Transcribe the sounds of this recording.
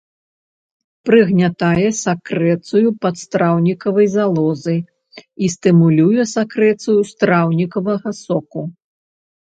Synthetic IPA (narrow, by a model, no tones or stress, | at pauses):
pɾɨɣnʲat̪ajɛsakɾɛt̪sujupɐt̪st̪ɾawnʲikɐvɐjzalˠɔzɨj | ist̪ɨmulʲujɛsakɾɛt̪sujust̪ɾawnʲikɐvɐɣɐsɔku